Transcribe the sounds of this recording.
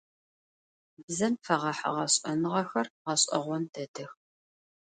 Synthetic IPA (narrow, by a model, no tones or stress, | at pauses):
bzɐmfɐʁɐħɐ̰ʁɐɕʼɐnɨʁɐxɐrʁɐɕʼɐ̰ʁʷɔnd̥ɐdɨx